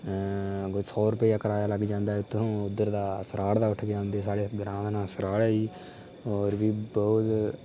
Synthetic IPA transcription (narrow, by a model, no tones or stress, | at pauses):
ɡʊsɔːɾʊpəiaːkəɾaːjaːləɡd͡ʒãːnd̪aːɛʊt̪ʰːõːʊd̪ːəɾd̪aːsəɾaːɽd̪aːʊʈʰɡjaːɦʊ̃nd̪eːsaːɽeːɡɾãːd̪anãːsəɾaːɽɛːiː | oːɾʋiːbɔːt̪